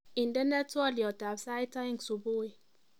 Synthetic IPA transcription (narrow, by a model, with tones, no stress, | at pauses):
i˨ndɛ˦ne˦tɔ˦li˨ɔ˨ta˨bsa˦i˦ta˦i˦ŋsu˨bo˦e˨